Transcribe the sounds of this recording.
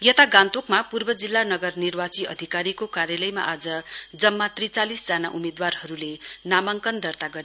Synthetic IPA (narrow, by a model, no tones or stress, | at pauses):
jʌt̪aɡãnt̪okmapurbʌd͡zilːanʌɡʌrnirbat͡siʌ̰d̪ʱikaɾikokaɾjalʌjma̰ʔad͡zʌd͡zʌmːat̪rit͡salisd͡zanaʔumed̪warhʌɾulenamʌŋkʌnd̪ʌrt̪aɡʌɾe